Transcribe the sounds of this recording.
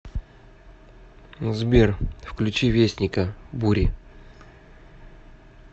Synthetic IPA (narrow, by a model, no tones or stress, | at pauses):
zbʲerfklʲʉt͡ɕivʲesʲnʲɪkəbuɾʲɪ